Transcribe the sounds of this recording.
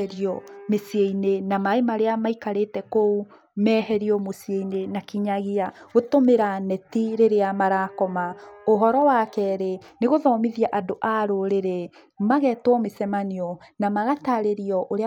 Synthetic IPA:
ɾiɔmesieinenamaemaɾeamaikaɾetɛkou | mɛhɛɾiɔmosijeinenakiɲaɣiaɣotomeɾanɛtiɾeɾeamaɾakɔmaoɦɔɾɔwakɛɾeneɣoðɔmiðiaʔadoʔaɾoɾeɾe | maɣɛtwɔmesɛmaniɔnamaɣataɾeɾiɔʔoɾe

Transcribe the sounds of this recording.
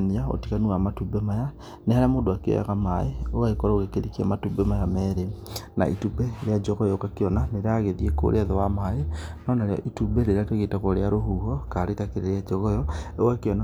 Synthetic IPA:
niao̰tikanuamatubɛmaja | nehaɾeamoːdoakeɔ̰ja̰ɣamaeowaekɔɾaoɣekeɾikiamatubɛmajamɛːɾena̰ʔḭtubɛɾead͡ʒɔɣɔjɔkakeɔnaneɾeaɣeðieko̰ɾeaðɔwamaenɔnaɾeɔ̰ʔitubɛɾeɾeatweɣetakɔɾeaɾoɦuːɦɔkaɾetakeɾeɾead͡ʒɔɣɔjɔewakeɔna

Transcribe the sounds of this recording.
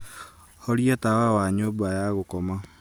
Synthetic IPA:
hoɾiatawawaːɲoːbajaɣokɔma

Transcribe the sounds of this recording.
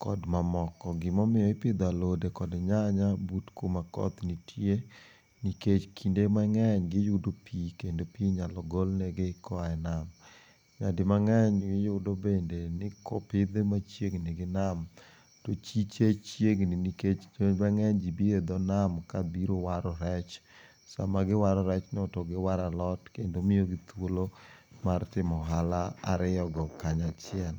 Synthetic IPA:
kɔdmamɔkɔɡɪmɔmɪɔɪpɪd̪alodekɔdɲaɲabutkomakɔ̰t̪nitʰje | niket͡ʃkʰindemaŋɛɲɡɪjʊdopʰikendopiɲalɔɡɔlneɡekʰɔaɛnam | ɲadɪmaŋɛɲɡɪjʊdobendenɪkɔ̰pɪd̪emat͡ʃjeŋnɪɡɪnam | tot͡ʃit͡ʃet͡ʃjeŋniniket͡ʃmaŋɛɲd͡ʒibied̪ɔnamkabiɾowaɾɔɾɛt͡ʃ | sa̰maɡɪwaɾɔɾɛt͡ʃnɪɔtɔɡɪwaɾalɔtkendomɪjoɡɪt̪wolomartɪmɔɦalaa̰ɾɪɔɡɔkaɲat͡ʃɪɛn

